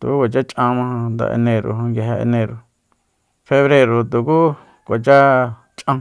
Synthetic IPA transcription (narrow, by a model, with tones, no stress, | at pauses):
t̪ṵ˨ku˦kʷa˨t͡ʃa˦t͡ʃʼʔã˧mã˧hã˧nd̪a̰˧ʔḛ˧nẽ˧ɾo̰˨ɦã˧ŋɡa˧ɦa˧ḛ˧nẽ˧ɾo˨ | fe˧βɾe˧ɾo˨t̪u˨ku˦ | kʷa˨t͡ʃa˦ | t͡ʃʼʔã˧